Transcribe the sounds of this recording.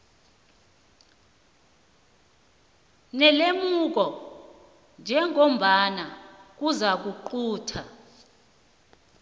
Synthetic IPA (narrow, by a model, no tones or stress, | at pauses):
nɛlemuk̬ɔ | nd͡ʒʱɛŋom̩ɓanak̬uzak̬uǃuːtʰa